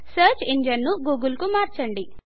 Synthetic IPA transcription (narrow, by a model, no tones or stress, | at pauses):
sɐːɾt͡ʃiɲd͡ʒɐnːuɡuːɡulkumaːɾt͡ʃɐɳɖi